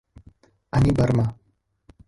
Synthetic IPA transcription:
anibɐɾma

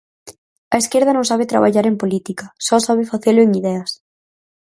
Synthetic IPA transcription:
ɐeskeɾð̞ɐnõŋsaβ̞ɪt̪ɾa̰βa̰ʎaɾempolit̪ikɐsɔsaβɪfaθelʊeŋiðɛɐs

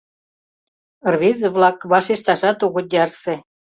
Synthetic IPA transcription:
rβʲizβlɑkβɑʃiʃt̪ɑʃɑt̪uɣŭd̪ʲɑrsĕ

